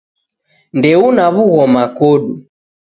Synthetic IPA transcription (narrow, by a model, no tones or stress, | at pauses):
ndɛunaβuɣɔmakɔɗu